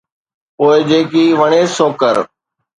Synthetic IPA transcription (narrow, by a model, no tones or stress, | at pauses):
poːɪd͡ʒeːkiːʋəɳeːsoːkəɾ